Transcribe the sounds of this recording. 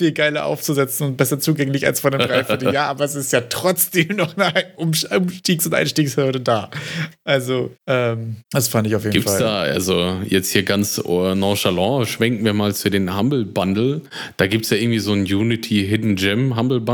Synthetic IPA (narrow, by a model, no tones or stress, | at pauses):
fiːlɡaɪlɐ̰ʔa̰ʊft͡suzɛt͡sn̩ʊnt̚b̥ɛsɐt͡suːɡɛŋlɪça̰lsfɔndeːmdʁaɪfɪɐtljaːʔaːbɐɛs̬ɪstjaːtʁ̥ɔt͡sd̥eːmnɔχnʔʊmʊmʃtiːksʊntʔa̰ɪnʃtiːkshʏɐɾədaːʔalzoʔɛːmd̥asfandɪçaʊfjeːdɡiːpnftsald̥aːʔa̰lzojɛt͡sthiːɐɡant͡snɔ̃ʃalɔ̃ʃv̥ɛŋtmiːɐmaːlfuːɐdeːnhambl̩bandl̩ | d̥aːɡiːp̚tsjaːʔɪɐɡŋ̩tv̥iːzoːnjuːnɪtʰiɦɪdn̩d͡ʒɪmɦambl̩b